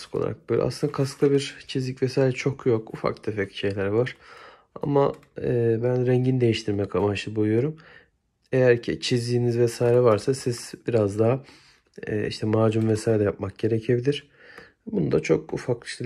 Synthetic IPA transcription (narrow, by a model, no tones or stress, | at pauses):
skolˠa̰ɾa̰k̚bøjlʲʔa̰sɯnakʰasklˠabiɾt͡ʃʰizlʲicʲvɛsaːjɾʲɛt͡ʃʰo̞kʰjo̞kʰufa̰kd̪ʰefɛcʃe̞jlʲæɾvaɾ̥ | a̰ma | ɛːbænɾɛɲɟind̪e̞jiʃt̪ʰiɾmɛkʰamaʃɯbujˠujo̞ɾum | e̞jæɾcʰit͡ʃʰizd̪iːnizvɛsaːjɾɛvaɾsasiz̥biɾazd̪aɦa̰ː | ḭʃt̪ʰɛmaːd͡ʒumvɛsaːjiɾʲɛjap̚mak̚ɟ̥e̞ɾecʰebid̪ʲiɾ̥ | bunud̪a̰t͡ʃʰo̞kṵfakiʃt̪ʰɛ